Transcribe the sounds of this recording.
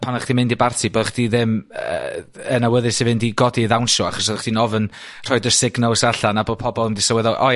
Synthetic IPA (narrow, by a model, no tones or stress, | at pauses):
pʰanaχd̥imɪndibartʰiboːðaχd̥iðɪmə̰ənawəðɨsivɪndiɡɔdiðawnʃɔaχɔsoðaχd̥inɔvən | r̥ɔjdəsɪɡnɔlˠsaɬanabo̥ːpʰɔbɔlˠəmdɪsəwɛðɔʔɔ